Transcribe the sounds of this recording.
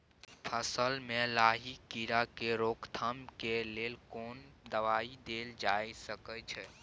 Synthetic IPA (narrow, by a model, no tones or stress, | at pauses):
pʰəsəlmẽlaːɦikiɾakeɾoːkt̪ʰəmkeleːlkoːnd̪əʋaːid̪eːld͡ʒaːjsəkət͡ʃʰɛ